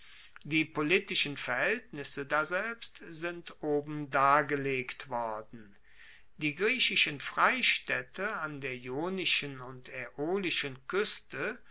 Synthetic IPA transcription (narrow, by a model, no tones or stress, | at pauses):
diːpoliːtɪʃənfɛɐhɛltnɪsədaːzɛlpstz̥ɪntʔoːbm̩daːɐɡəleːktv̥ɔɐdn̩ | d̥iːɡʁiːɕɪʃənfʁ̥aɪʃtɛtʰəandeːɐjoːnɪʃənʊntʰeʔoːlɪʃənkʏstə